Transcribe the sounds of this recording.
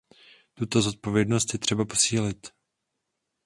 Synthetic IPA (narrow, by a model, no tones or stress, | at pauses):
t̪ut̪o̞zo̞t̪̚po̞vjɛdno̞st̪jɛt̪r̝̥ɛbapo̞̥siːlɪt̪